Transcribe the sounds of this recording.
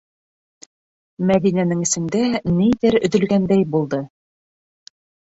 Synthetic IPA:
mæðinænɘŋɘ̆sɘ̆nd̪ænijðɘɾɵ̆ðɵ̆lɡænd̪æjbulˠd̪ɤ

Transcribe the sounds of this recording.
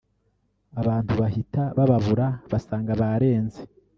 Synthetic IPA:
aβaːntuβahitaβaβaβuɾaβasaːŋɡaβaɾe̞ːnze

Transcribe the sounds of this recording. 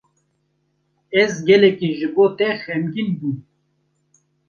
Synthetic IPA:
ezɡɛlekiʒɨbot̪ɛxɛmɡilbu

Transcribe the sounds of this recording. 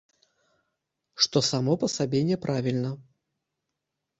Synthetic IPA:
ʂt̪ɔsamɔpɐsabʲenʲɛpɾʔavʲilʲnɐ

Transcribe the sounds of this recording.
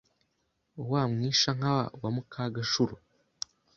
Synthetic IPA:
waːmŋiːʃaŋ̥awa̰wamukʰaɡaʃuɾu

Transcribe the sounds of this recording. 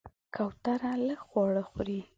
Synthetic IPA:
kʰawt̪aɾaləɡxwɑɽəxɾi

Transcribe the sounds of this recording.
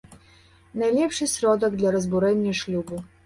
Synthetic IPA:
najlʲɛpʂɘsɾɔd̪ɛɡd̪laɾɔzbuɾɛɲːaʂlʲubu

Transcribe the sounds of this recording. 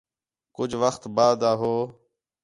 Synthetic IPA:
kʊd͡ʒʱʋəxt̪baːd̪aːɦoː

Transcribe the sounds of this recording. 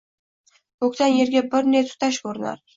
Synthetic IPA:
kʰɵkʲt̪anje̞ɾɡʲabɪɾnet̪ʰʊ̥t̪ʰaʃkʰɵɾɪna̰ɾ

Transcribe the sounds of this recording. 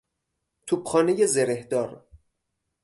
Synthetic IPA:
t̪ʰuːbxɒːnejezeɾehd̪ɒːɾ

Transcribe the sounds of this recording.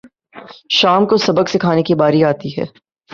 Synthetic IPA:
ʃaːmkosɐbəksɪkʰaːnekibaːɾiaːt̪iɦɛ̰ː

